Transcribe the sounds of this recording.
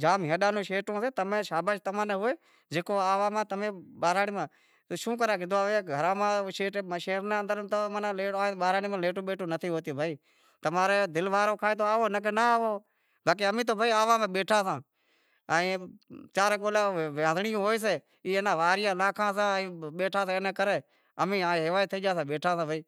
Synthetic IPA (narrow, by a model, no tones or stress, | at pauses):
d͡ʒaːmɦẽɗãːnõːʃeːʈõːseːt̪əmẽːʃaːbaːʃt̪əmãːneːɦoːeː | d͡ʒeːkoːaːʋãːmãːt̪əmẽːɓaːɾaːɽiːmãː | ʃũːk̬əɾãːkɪd̪oːaːʋeɡʱəɾãːmãːʃeːʈʃeːɾneːənd̪əɾənt̪oːmanãːlẽːɓaːɾaːniːmãːleːʈõːɓeːʈʰõːnət̪ʰiːɦoːt̪iːbʱaːiː | t̪əmaːɾeːd̪ɪlʋaːɾoːkʰaːeːt̪̬ʰoːaːʋoːnəkenaːʋoː | baːk̬eːəmĩːt̪̬oːbʱaːiːaːʋãːmẽːɓeːʈʰãːsãː | aĩːt͡ʃaːɾkoːlaːʋjãːd̪ɳɪjõːɦoːeːs̬eː | iːeːnãːʋaːɾɪjãːlaːkʰãːsãːĩːɓeːʈʰaːsãːneːkəɾeː | əmĩːaːɦɪʋaːjt̪ʰːəiːd͡ʒaːsãːɓeːʈʰãːsãːbʱaːiː